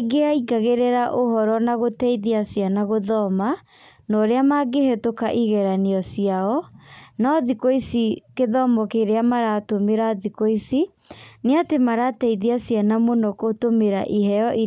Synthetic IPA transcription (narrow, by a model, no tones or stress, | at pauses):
ɡeaiɡaɣeɾɛɾaʔoɦɔɾɔnaɣotɛiðeasianaɣoðɔma | nɔɾeamaɡehɛtokaʔiɣɛɾaniɔsiaɔnaɔðikoisikeðɔmɔkeɾeamaɾaːtomeɾaðikoisi | neatemaɾatɛiðiasianamonɔkotomeɾaʔiɦɛɔʔi